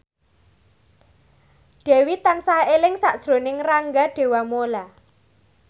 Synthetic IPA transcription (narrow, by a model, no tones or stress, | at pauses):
ɖ̥e̤wit̪ansahelɪŋsaʔd̥ʒ̥ɾonɪŋraŋɡaɖ̥e̤wamola